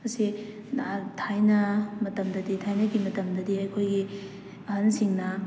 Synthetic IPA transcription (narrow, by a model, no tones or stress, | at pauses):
mɐsi | atʰajnɐmɐtɐmdɐditʰajnɐɡimɐtɐmdɐdiɐjkʰojɡi | ɐɦɐnsiŋnɐ